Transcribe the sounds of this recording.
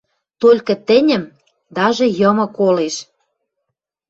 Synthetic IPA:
t̪olʲkɤ̆t̪ɘ̆nʲə̆m | d̪ɑʒĕjɤ̆mɤ̆koleʃ

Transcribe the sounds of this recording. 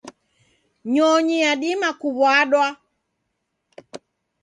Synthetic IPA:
ɲɔɲiaɗimakuβwaɗwa

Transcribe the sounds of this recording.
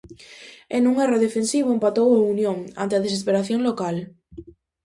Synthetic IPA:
enuŋeroðefensiβ̞oempat̪owaunjõŋa̰nt̪eað̞esespeɾaθjõŋlokal

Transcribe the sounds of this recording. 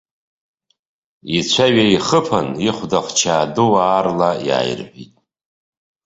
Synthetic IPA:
it͡ɕʷʰaɥaiχəpʰaniχʷdaχʷt͡ʃʰaːduaːrlaja̰ːj̰rħʷitʼ

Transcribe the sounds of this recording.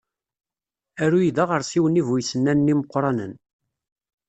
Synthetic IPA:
æɾujid̪aʁəɾˤsiwənivujsənːænːiməqːɾˤɑnə̰n

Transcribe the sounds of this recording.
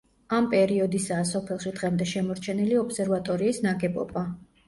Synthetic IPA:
ampʼɛɾiɔd̪isaːsɔpʰɛlˠʃid̪ʁɛmd̪ɛʃɛmɔɾt͡ʃʰɛniliɔpsɛɾvat̪ʼɔɾiːsnaɡɛbɔ̰ba

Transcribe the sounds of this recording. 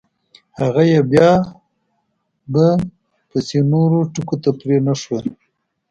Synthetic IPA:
haɣajebjɑ | ba | pəsenoɾoʈukot̪apɾenaʂwəl

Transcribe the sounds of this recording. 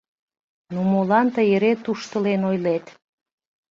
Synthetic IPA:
numolɑnt̪əjeɾet̪uʃt̪əlenojlet̪

